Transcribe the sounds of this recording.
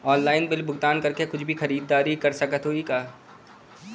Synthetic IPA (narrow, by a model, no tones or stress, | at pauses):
ɔːnlaːɪnbɪlbʱʊɡt̪aːnkɐɾkekʊt͡ʃʰbʱixɐɾiːd̪ːaːɾikɐɾsɐkət̪ɦoːikaː